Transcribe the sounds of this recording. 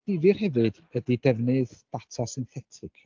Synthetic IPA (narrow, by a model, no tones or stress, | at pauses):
d̥ɪvɨrhɛvɨd̥ | ədidɛvnɨðd̥atʰɔsɪnθɛtʰɨkʰ